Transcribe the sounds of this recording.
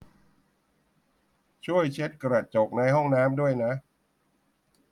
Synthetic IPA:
t͡ɕʰu˥˩əjt͡ɕʰe˦˥t̪̚kɾa˨˩t̪̚t͡ɕo˨˩k̚na˧jɦɔ˥˩ŋnaː˦˥mdu˥˩əjna˦˥ʔ

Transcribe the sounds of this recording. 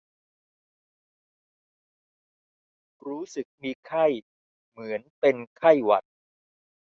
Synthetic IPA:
ɾuː˦˥sɯ˨˩k̚miː˧kʰa˥˩j | mɯ˩˦ənpe˧nkʰa˥˩jwa̰˨˩t̪̚

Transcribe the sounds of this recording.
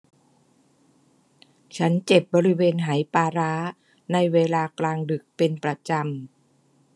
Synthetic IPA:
t͡ɕʰa˦˥nt͡ɕe˨˩p̚bɔː˧ɾi˦˥weː˧nɦa˩˦jpaː˧ɾa˦˥ | na˧jweː˧laː˧klaː˧ŋdɯ˨˩k̚pe˧npɾa˧t͡ɕa˧m

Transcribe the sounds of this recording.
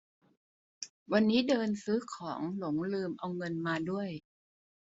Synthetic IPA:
wa˧nːiː˦˥dɤː˧nsɯ˦˥kʰɔː˩˦ŋlo˩˦ŋlɯː˧mʔa˧wŋɤ˧nmaː˧du˥˩əj

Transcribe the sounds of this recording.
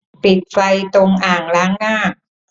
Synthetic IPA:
pi˨˩t̪̚fa˧jt̪o˧ŋʔaː˨˩ŋlaː˦˥ŋnaː˥˩k̚

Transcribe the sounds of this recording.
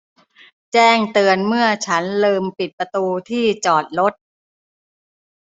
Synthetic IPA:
t͡ɕɛː˥˩ŋt̪ɯː˧ənmɯ˥˩ɐt͡ɕʰa˦˥nlɤː˧mpi˨˩t̪̚pa˧t̪uː˧t̪ʰiː˥˩t͡ɕɔː˨˩t̪̚lo˦˥t̪̚

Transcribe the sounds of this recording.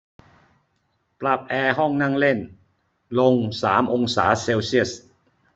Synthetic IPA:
pla˨˩p̚ʔɛː˧ɦɔ˥˩ŋna˥˩ŋle˥˩n | lo˧ŋsaː˩˦mʔo˧ŋsaː˩˦seː˧wsi˥˩əs

